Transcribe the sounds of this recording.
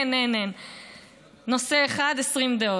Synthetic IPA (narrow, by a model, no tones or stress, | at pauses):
nenen | no̞seːχad̪esʁimd̪eo